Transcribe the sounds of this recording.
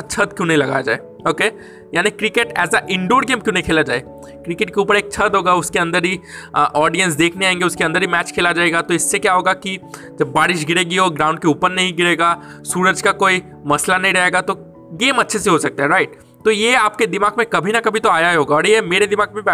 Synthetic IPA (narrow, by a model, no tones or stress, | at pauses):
at͡ʃʰɐd̪̚kjũːnɐɦĩlɐɡaːjad͡ʒa̰ːḛː | oːke | jaːnikɾɪkeːʈɛ̰ːsaʔɪ̃ɳɖoːɾɖɡeːmkjõːnɐɦikʰeːlad͡ʒaːeː | kɾɪkeːʈ̚keuːpəɾeːk̚t͡ʃʰɐd̪ɦoːɡaʊskeɐ̃nd̪əɾɦiʔɔːɾɖijə̃nsd̪eːkʰneaːẽŋɡeʊskeɐ̃nd̪əɾɦimɛːt͡ʃkʰeːlad͡ʒaːeːɡat̪oɪsːekjaɦoːɡaki | d͡ʒɐbːaːɾɪʃɡɪɾeːɡiɔːɾɡɾãːʊ̃ɳɖ̚keuːpəɾnɐɦĩɡɪɾeːɡaː | suːɾəd͡ʒkakoːi | mɐslanɐɦĩɾɐɦeːɡat̪o | ɡeːmɐtːʃʰeseɦosɐk̚t̪aɦɛɾaːɪʈ̚ | t̪ojeaːp̚ked̪ɪmaːɡmẽkɐbʱinɐkɐbʱit̪oaːjaɦeɦoːɡaɔːɾjemeːɾed̪ɪmaːɡmẽb